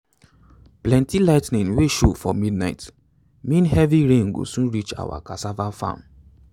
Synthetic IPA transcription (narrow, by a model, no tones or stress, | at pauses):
plɛ̃ntilaɪtnĩŋweʃofɔmidnaɪt | mĩnhɛviɹẽŋɡo̰sũnɹit͡ʃa̰wa̰kasavafã̰m